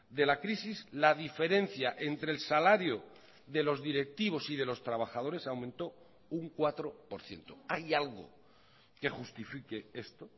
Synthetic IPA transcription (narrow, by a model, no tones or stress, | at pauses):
d̪e̞lakɾisizlaðife̞ɾe̞n̟θjaʔe̞nt̪ɾelsalaɾjo | ðe̞lo̞zðiɾe̞k̚t̪iβ̞o̞sið̞e̞lo̞st̪ɾaβ̞axað̞o̞ɾe̞sawmẽnt̪o̞ | uŋkwat̪ɾo̞po̞ɾθje̞̰nt̪o̞ajalɣo̰ | ke̞xust̪ifike̞e̞st̪o